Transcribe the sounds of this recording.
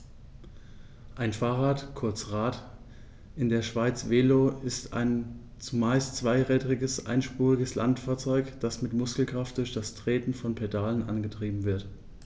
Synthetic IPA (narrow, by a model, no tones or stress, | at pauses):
ʔaɪnfaːʁaːtkʰʊɐt͡sʁaːt | ʔɪndeːɐʃv̥aɪt͡sv̥eːloːɪsta̰ɪn | t͡sumaɪstt͡sv̥aɪʁɛːdʁɪɡəsʔa̰ɪnʃpuːʁɪɡəslantfaːɐt͡sɔʏkd̥asmɪtmʊskl̩kʁ̥aft̚d̥ʊɐçd̥astʁ̥eːtn̩fɔnpʰedaːlənʔanɡətʁ̥iːbm̩vɪɐt